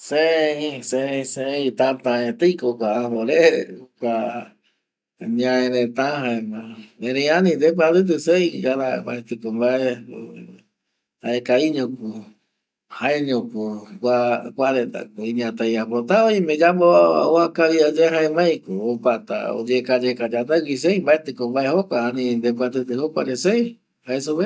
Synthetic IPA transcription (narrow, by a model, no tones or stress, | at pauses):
seĩseĩseĩt̪ãt̪ãẽt̪ɨjkokʷaːɦoɾekʷa | ɲãẽɾẽt̪ãɦãemãẽɾeianĩd̪ep̬aɾɨt̪̬ɨseiɡaɾaba̰et̪ɨkombae | haekaiɲõku | haeɲõkokʷakʷaɾet̪a̰koĩɲãt̪ajapɾot̪aojmẽd͡ʒamoaoakaβiad͡ʒeɦaemãj̃koːpat̪a̰o̰d͡ʒekad͡ʒekad͡ʒand̪ewis̬ejmbaet̪ɨkombaehokʷaːnĩnd̪epat̪ɨt̪ɨhokʷaɾesej | haesoβe